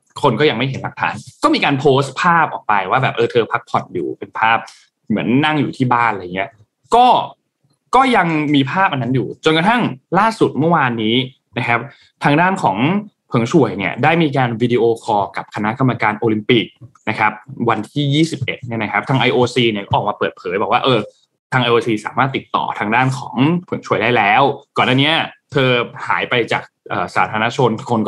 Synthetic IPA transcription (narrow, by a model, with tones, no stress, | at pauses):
kʰo˧nkɔː˥˩ja˧ŋma˥˩jɦe˩˦nla˨˩k̚t̪ʰa̰ː˩˦nkɔː˥˩miː˧kaː˧npʰoː˦˥st̪̚pʰaː˥˩p̚ʔɔ̰ː˨˩k̚pa˧jwaː˥˩bɛː˨˩p̚ʔɤː˧t̪ʰɤː˧pʰa˦˥k̚pʰɔ˨˩t̪̚jṵː˨˩pe˧npʰaː˥˩p̚ | mɯ˩˦ənːa˥˩ŋjuː˨˩t̪ʰiː˥˩baː˥˩nla˧ja˨˩ŋi˦˥ɐ | kɔː˥˩ | kɔː˥˩ja˧ŋmiː˧pʰaː˥˩p̚ʔa˧nːa˦˥njuː˨˩t͡ɕo˧nka˧t̪ʰa˥˩ŋlaː˥˩su˨˩t̪̚mɯ˥˩waː˧nːiː˦˥ | na˦˥kʰa˦˥p̚ | t̪ʰaː˧ŋdaː˥˩nkʰɔː˩˦ŋpʰɤ˩˦ŋsʰu˨˩əjni˥˩ɐdaː˥˩jmiː˧k̬aː˧nwiː˧diː˧ʔoː˧kʰɔː˧ka˨˩p̚kʰa˧na˦˥ʔka˧mːa˧kaː˧nʔoː˧li˧mpi˨˩k̚na˦˥kʰa˦˥p̚wa˧nt̪ʰiː˥˩jiː˥˩si˨˩p̚ʔe˨˩t̪̚n˥˩na˦˥kʰa˦˥p̚t̪ʰaː˧ŋʔa˧jʔoː˧siː˧ni˥˩kɔː˥ʔɔː˨˩k̚maː˧pɤː˨˩t̪̚pʰɤː˩˦jbɔː˨˩k̚waː˥˩ʔɤː˧ | t̪ʰaː˧ŋʔa˧jʔoː˧siː˧sa̰ː˩˦maː˥˩t̪ːi˨˩t̪ːɔ̰ː˨˩t̪ʰaː˧ŋdaː˥˩nkʰɔ̰ː˩˦ŋpʰɤ˩˦ŋt͡ɕʰu˨˩əjdaː˥˩jlɛː˦˥wkɔː˨˩nːaː˥˩ni˦˥ɐt̪ʰɤː˧haː˩˦jpa˧jt͡ɕa̰ː˨˩k̚ʔɤː˨˩saː˩˦t̪ʰaː˧na˦˥t͡ɕʰo˧nkʰo˧nk